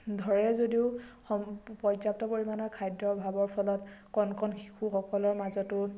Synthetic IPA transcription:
dʱɔɹɛzodiʊ | ɔpɔzaptɔpoɹimanɔkʰajdɔbʱabɔɹpʰɔlɔtkɔnkʰɔnxi̥xʰuxɔkɔlɔɹmazɔtʊ

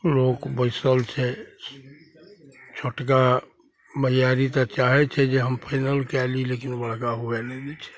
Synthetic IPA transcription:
lokbəɪsəlt͡ʃʰɛ | t͡ʃʰoʈk̬a | məjaɾit̪ɔt͡ʃaɦɛt͡ʃʰɛd͡ʒeɦəmpʰaɪnəlkɛlilekinbəɽkaɦuɛnɛd̪ɛt͡ʃʰɛ̥

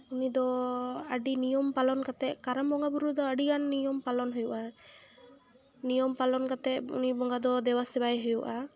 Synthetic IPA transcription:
unid̪ɔaɖinijɔmpalɔnkat̪ɛʔkaɾambɔŋɡabuɾud̪ɔaɖiɡanːijɔmpalɔnɦujuʔa | nijɔmpalɔnkat̪ɛṵnibɔŋɡad̪ɔd̪ɛwasɛbajɦujuʔa

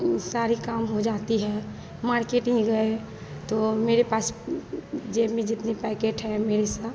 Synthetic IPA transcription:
saːɾikaːmɦod͡ʒaːt̪iɦɛː | maːɾkeʈĩɡəe | t̪omeːɾepaːs | d͡ʒeːmẽd͡ʒɪt̪nepɛːkeːʈɦɛ̃meːɾesa

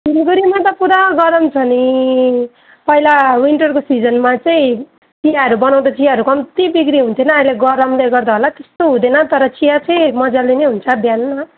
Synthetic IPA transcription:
ibɡuɾimat̪ʌpuɾaɡʌɾʌmt͡sʰʌni | pʌɦilawiɳʈʌrkosid͡zʌnmat͡sʌĩ | t͡sijaɦʌɾubʌnaw̃d̪at͡sijaɦʌɾukʌmt̪ibikɾiɦunt̪ʰinʌːileɡʌɾʌmleɡʌrd̪aɦolat̪est̪oɦũd̪enʌt̪ʌɾʌt͡sijat͡sʌĩmʌd͡zalinejɦunt͡sʰʌd̪ʱjanma

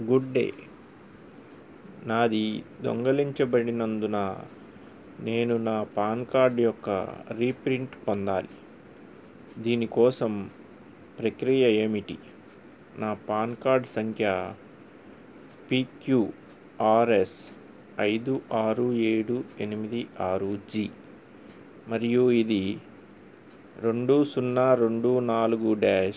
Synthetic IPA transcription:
ɡuɖɖe̞̰ː | naːd̪id̪o̰ŋɡɐliɲt͡ʃɐbɐɽinɐnd̪unaː | ne̞ːnunaːpaːnkaːɾɖjɔkːɐ̰ɾiːpɾiɳʈpond̪aːli | d̪iːnikɔːsɐm | pɾekɾijɐeːmiʈḭ | naːpaːnkaːɾɖsɐŋkʰjɐ | piːkju | aːɾe̞s | ɐjd̪uʔaːɾue̞ːɽue̞nimid̪iʔaːɾud͡ʒi | mɐɾijuid̪i | ɾe̞ɳɖusunːaːɾe̞ɳɖunaːluɡuɖɛːʃ

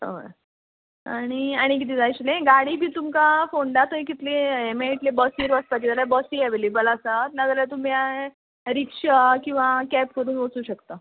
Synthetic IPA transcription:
ə̰ə̰ | a̰ɽ̃iaɽ̃ik̬it̪ʰiːd͡zajt͡ɕlẽɡaɽiːbʱiːt̪umkafoɳɖat̪əjkit̪leemeiʈlebɔsiɾʋəspat̪id͡zaljabɔsiaʋeleːbəlasət̪nad͡zaljat̪̬um̤ja | ɾikʂəkĩw̃ʋakɛp̚kəɾuːnʋəsuːɕəkt̪ə

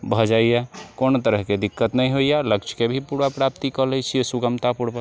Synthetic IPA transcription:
bʱəd͡ʒaijakont̪əɾəɦked̪ikːət̪nəjɦoijaləkt͡ʃʰkebʱipuɾapɾap̚t̪ikəlɛjt͡ʃʰiɛsuɡəmt̪apuɾba

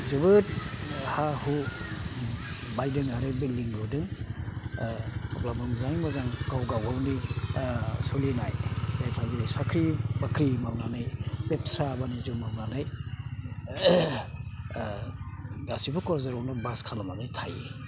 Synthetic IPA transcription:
zɯβɯt̚hahu | bajdɯŋaɾebiliŋludɯŋ | blamɯŋzajmɔzaŋkawɡawɡawni | sulinajzajpʰaziasakʰɾibakʰɾimawnanɯjpepsabanizɯmawnanaj | ɡasibɯkɔɾzaɾɔwnabaskʰalamanɯjtʰaji

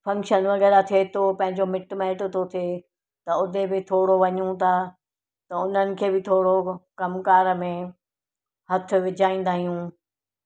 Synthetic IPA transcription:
fɐ̃ŋkʃənʋɐɣɛːɾat̪ʰiet̪ʰopɐ̃ɦɪ̃ɲd͡ʑomɪʈmɛːʈʊt̪ʰot̪ʰe | t̪ɐʊd̪ʱebɪt̪ʰoːɽoʋɐɲũt̪ʰaː | t̪ɐʊn̤ənɪ̆kʰeːbɪt̪ʰoːɽokɐmkaːɾəmẽ | hɐt̪ʰʊ̆ʋɪd͡ʑʱaːĩːn̆d̪aːɦijũː

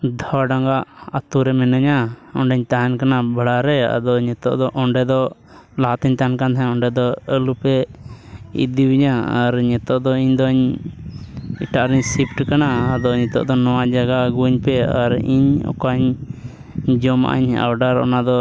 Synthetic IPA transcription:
d̪ʱɔɖaŋɡaʔat̪uɾɛmɛnaɲaɔɳɖɛɲt̪aɦankanabʱaɽaɾɛa̰d̪ɔɲɛt̪ɔ̰ʔd̪ɔʔɔɳɖɛd̪ɔ | lat̪ɛɲt̪aɦnkand̪ʰaɔɳɖɛd̪ɔəlupɛ | ḭd̪iwiɲaaɾɲɛt̪ɔʔd̪ɔiɲd̪ɔɲ | ḭʈaʔɾɛɲsipʈkanaːd̪ɔɲɛt̪ɔ̰ʔd̪ɔnɔwad͡ʒaɡaɡuɲpɛaɾḭɲɔ̰kaɲ | d͡ʒɔma̰ʔa̰ɲa̰wɖaɾɔ̰nad̪ɔ

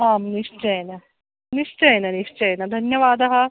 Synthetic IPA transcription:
ɦaːmniʂt͡ʃɐjnɐ | niʂt͡ʃɐjnɐniʂt͡ʃɐjnɐd̪ʱɐnjɐʋaːd̪ɐɦɐ

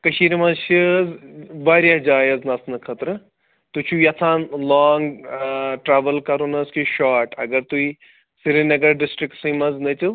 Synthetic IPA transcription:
kɐʃiːɾmɐʃizbaːɾjad͡ʒaːjɐznɐsʰnɨkʰɐt̪ɾɨ | t̪ut͡ʃʰuiɐt̪ʰãːnlaːŋɡ | ʈɾaːʋəlkɐɾunɐskiʃaːʈɐɡɐɾt̪ui | siɾinɐɡɐɾɖɪsʈɾɪkʈsĩmɐznɐt͡ʃɨ

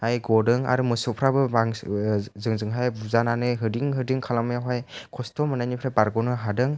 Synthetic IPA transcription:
ajɡɔdɯŋa̰ɾumɯsɔpʰɾabɯbaŋzɯŋzɯŋɦajbuzananɯɦɯdiŋɦɯdiŋkʰalamɯjaɦajkʰɔstɔmɯnajnipʰɾajbaɾɡɔnɯɦadɯŋ

